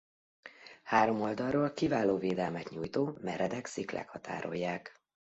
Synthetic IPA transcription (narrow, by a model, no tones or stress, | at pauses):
haːɾo̞mo̞ld̪ɒrroːlkivaːloːveːd̪ɛlmɛt̪ɲuːjt̪oːmɛɾɛd̪ɛksiklɛ̰khɒt̪a̰ːɾo̞̰jːaːk